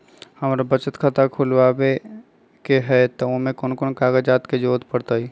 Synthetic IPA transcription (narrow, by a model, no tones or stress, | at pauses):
həmɾabət͡ʃət̪kʰət̪akʰʊlʋaːbe | keɦɛt̪ɐʊmẽkonkʊnkaːɡəd͡ʒaːt̪ked͡ʒoːt̪pəɽt̪aiː